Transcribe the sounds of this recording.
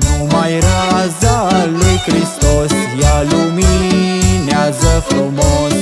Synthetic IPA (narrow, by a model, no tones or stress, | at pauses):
mumajɾazalojkɾist̪ɔsjalomi | njazəpɔmɔn